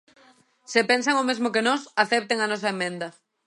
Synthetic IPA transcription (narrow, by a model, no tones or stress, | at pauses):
sepɛnsaŋomezmʊkenɔsaθɛp̚t̪eŋɐnɔs̬ɐemẽnd̪ɐ